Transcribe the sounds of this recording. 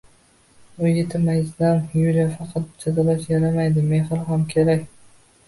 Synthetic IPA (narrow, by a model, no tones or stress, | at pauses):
ʊet̪ʰɪmajɪzd̪anjuljafɑqʰɑt̪̚d͡ʒʰad̪alat͡ʃjaɾamajd̪ɪmeɦɪɾɦamkʲʰeɾakʲ